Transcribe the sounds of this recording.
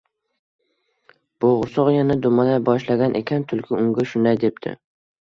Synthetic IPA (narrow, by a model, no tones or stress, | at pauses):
b̥oʁɾsɒqjanad̪ʊmad̪abɒʃlaɡʲanʔekʲʰant̪ʰʊlkʲʰɪʊŋɡʲaʃʊnd̪ajd̪ep̚t̪ʰɪ̰